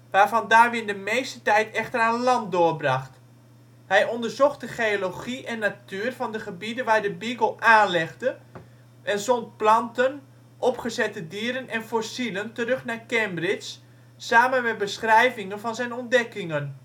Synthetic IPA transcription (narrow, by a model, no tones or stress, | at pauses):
ʋaːrvɑndaːrʋɪndəmeːstətɛjtɛxtəraːnlɑnt̚dʊːərbrɑχt | hɛjɔndərzoxdəχeoloχiʔɛnːatyːərfɑndəχəbidəʋaːɹdəbiɡəlˠaːnlɛɣdə | ʔɛnzɔntplɑntən | ʔɔpχəzɛtədiəɾənʔɛnfosiləntəɾøχnaːkɛmbrɪt͡ʃː | aːmənmɛt̚bəsχrɛjvɪŋənfɔnzɛjnɔndɛkɪŋən